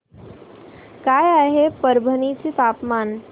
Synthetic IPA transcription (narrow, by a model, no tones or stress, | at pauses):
kaːjaɦepəɾbʱənit͡sit̪aːpmaːn